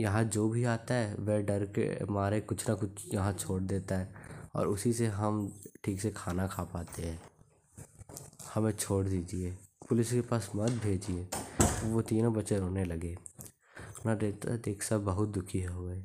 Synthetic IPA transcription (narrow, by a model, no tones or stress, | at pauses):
jɐɦãd͡ʒoːbʱiaːt̪aɦɛʋɛːɖɐɾkḛmaːɾekʊt͡ʃʰnakʊt͡ʃʰjɐɦãt͡ʃʰoːɽd̪eːt̪aɦɛɔ̰ːɾʊsiseɦɐmʈʰiːksekʰaːnakʰaːpaːt̪eɦɛ̃ː | hɐmẽt͡ʃʰoːɽd̪iːd͡ʒieːpʊlɪskepaːsmɐt̪̚bʱeːd͡ʒieːʋot̪iːnõbɐtːʃeɾoːnelɐɡeː | nãɾeːt̪a̰d̪eːkʰsɐbbɐɦʊt̪̚d̪ʊkʰiɦɦoːeː